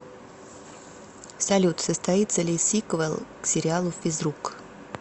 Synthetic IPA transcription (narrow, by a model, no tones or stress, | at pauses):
sɐlʲut̪səst̪ɐit̪səlʲɪsʲikvəlˠksʲɪɾʲɪalˠʊfʲɪzɾuk